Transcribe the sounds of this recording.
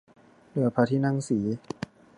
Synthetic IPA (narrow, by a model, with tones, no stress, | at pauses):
nɯ˨˩˦ɐpʰaː˧t̪ʰiː˥˩na˥˨ŋsiː˩˦